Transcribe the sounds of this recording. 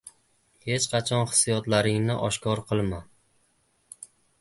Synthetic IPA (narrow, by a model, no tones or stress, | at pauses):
he̞t͡ʃqʰɑt͡ʃʰɒnχɨ̥sːijɒt̪laɾɪŋnɪʔɒʃkʰɒɾqʰɨlˠma